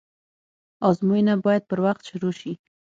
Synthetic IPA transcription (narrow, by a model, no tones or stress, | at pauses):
ɑzmojinabɑjad̪̚pəɾwaxt̪ʃʊɾoʃi